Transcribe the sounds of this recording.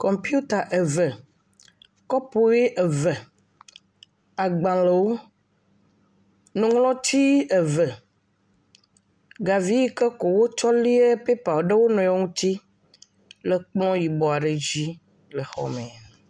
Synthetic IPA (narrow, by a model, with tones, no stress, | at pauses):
kɔ˨mpi˦u˦t̪a˨ʔe˨və˨ | kɔ˦po˨˦e˦ʔe˨və˨ | a˨ɡ͡bã˨le˨wo˦ | nũ˨ŋlɔ̃˦t̪i˦e˨və˨ | ɡa˨vi˦ji˦ke˦ko˨wo˦t͡ʃɔ˦li˦e˦pe˦pa˨wo˨ɖe˦wo˦nɔ̃˨jɔ˨˦ŋũ˦t̪i˦ | le˨k͡plɔ̃˦ji˨bɔ˨a˨ɖe˨d͡ʑi˦ | le˨xɔ̰˦mẽ˨n